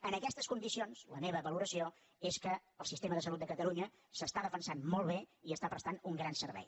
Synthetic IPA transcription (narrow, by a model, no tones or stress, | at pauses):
ənəkɛst̪əskund̪isionzləmeβəβəluɾəsio | eskəəlˠsist̪eməðəsəlut̪̚əkət̪əluɲə | səst̪aðəfənsanmɔlˠβ̞eiəst̪apɾəst̪anuŋɡɾansərβɛ̰j